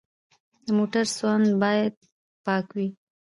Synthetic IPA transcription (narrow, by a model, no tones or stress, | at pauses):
d̪əmoʈaɾswand̪bɑjad̪̚ | pɑkwi